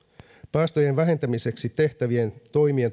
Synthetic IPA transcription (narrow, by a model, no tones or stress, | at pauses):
pæːst̪oje̞nʋæɦe̞nt̪æmise̞ksit̪e̞ht̪æʋie̞nt̪o̞jmie̞n